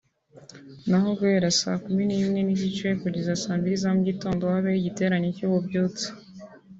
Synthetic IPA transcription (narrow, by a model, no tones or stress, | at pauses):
naɦo̞ɡueɾasa̰ːkuminimŋe̞niɟit͡ʃe̞kuɟizasaːmbiizamuɟito̞ːndohaβeiɟite̞ːɾaɲecuβobjoːt͡se̥